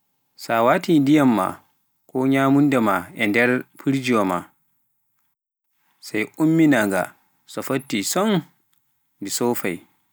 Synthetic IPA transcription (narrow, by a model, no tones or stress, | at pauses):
sawatidijamːa̰ | kɔɲaːmundɛmaʔɛndɛɾpʰiɾd͡ʒiɔma̰ | sajʔumːinaŋɡa̰ | sɔfatːisɔn | bisɔfa̰j